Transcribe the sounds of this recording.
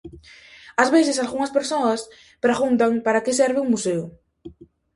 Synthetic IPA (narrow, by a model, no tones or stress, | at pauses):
ɐzβeθɪsalɣuŋɐspeɾsoɐs | pɾaɣunt̪aŋpaɾakɪsɛɾβɪuŋmuseʊ